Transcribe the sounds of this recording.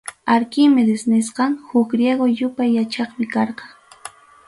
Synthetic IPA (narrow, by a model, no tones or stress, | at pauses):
aɾkɪmɪd̪ɪsnɪsqɑŋhʊkɾjeɡojʊpajːat͡ʃɑχmɪkɑɾqɑ